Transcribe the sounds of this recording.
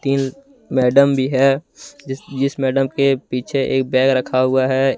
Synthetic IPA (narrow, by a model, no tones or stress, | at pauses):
t̪iːn | mɛːɖəmbʱiɦɛ | d͡ʒɪsmɛːɖəmkepiːt͡ʃʰeʔḛːk̚bɛːɡɾəkʰaɦʊaɦɛ